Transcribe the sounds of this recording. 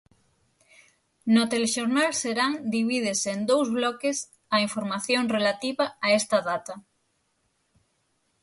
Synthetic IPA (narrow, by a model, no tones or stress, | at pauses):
not̪eleʃoɾnalseɾaŋd̪iβ̞iðesend̪owzβlɔkes | aiɱfoɾmaθjõŋrelat̪iβaːest̪ɐðat̪ɐ